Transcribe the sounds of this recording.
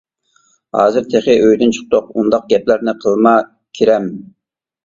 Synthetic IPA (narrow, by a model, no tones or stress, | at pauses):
hɑːzɨɾt̪ʰeχɪʔøjd̪ynt͡ʃʰʊ̥χ̚t̪oqund̪ɑq̚ɡʲɛplæɾnɪqʰəlˠmɑ | kʲʰiɾɛm